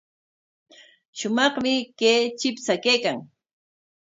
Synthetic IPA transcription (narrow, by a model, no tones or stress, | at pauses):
ʃʊmɑχmɪkeːt͡ʃɪpsakejkaŋ